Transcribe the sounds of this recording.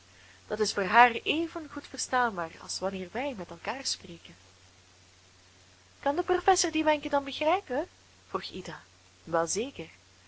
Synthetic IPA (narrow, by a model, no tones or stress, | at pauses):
d̥ɑtɪsfoːrɦaːreːvənɣutfərstaːnbaːrɑ̰lˠsʋɑnɪːrʋɛjmɛtɛlˠkaːrspreːkən | kɑndəprofɛsordimɛŋkədɑnbəɣrɛjpə | v̥ruxidaː | ʋɛlˠzeːkər